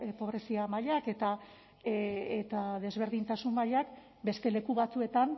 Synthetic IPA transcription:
po̞β̞ɾe̞siamaʎake̞t̪a | et̪aðe̞zβ̞e̞ɾðint̪asummaʎak | be̞st̪e̞le̞kuβat͡sue̞t̪an

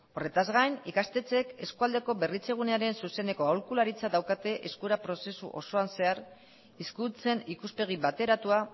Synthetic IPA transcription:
o̞re̞t̪azɣajnikast̪e̞t͡se̞ke̞skuald̪e̞ko̞βe̞rit͡se̞ɣ̞uneaɾe̞nsuse̞ne̞ko̞awlkulaɾit͡sadawkat̪e̞ʔe̞skuɾapɾo̞se̞sṵʔo̞̰so̞anse̞aɾ | iskut͡se̞nikuspe̞ɣ̞iβat̪e̞ɾat̪ua

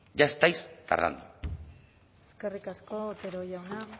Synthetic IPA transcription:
ʝaest̪ajst̪a̰ɾða̰nd̪u | eske̞rikasko̞t̪eɾojawna

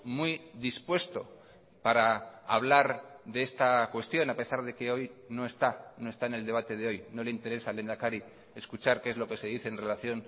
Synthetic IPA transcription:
mwuijðispwe̞st̪o̞ | paɾaaβlaɾðe̞est̪akwe̞st̪jo̞nape̞saɾðe̞ke̞o̞jno̞e̞st̪ano̞est̪aene̞ld̪e̞β̞at̪e̞ðeo̞jno̞le̞int̪e̞ɾe̞sale̞nd̪akaɾi | e̞skut͡ʃaɾkeezlo̞ke̞seðiθe̞ːnre̞laθjo̞n

